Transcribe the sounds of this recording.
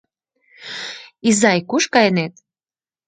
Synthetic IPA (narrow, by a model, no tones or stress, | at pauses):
izɑjkuʃkɑjənet̪̚